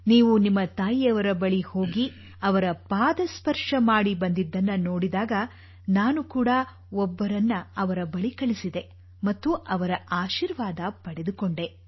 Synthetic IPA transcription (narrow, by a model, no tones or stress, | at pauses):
niːʋunimːɐt̪aːjiɐʋɐɾɐbɐɭiho̞ːɡi | ɐʋɐɾɐpaːd̪ɐspɐɾʂɐmaːɽibɐnd̪id̪ːɐnːɐno̞ːɽid̪aːɡɐ | naːnukuːɽɐ | ɔbːɐɾɐnːɐɐʋɐɾɐbɐɭikɐɭisid̪e̞ | mɐt̪ːuʔɐʋɐɾɐʔaːʃiːɾʋaːd̪ɐpɐɽed̪ukoɳɖe̞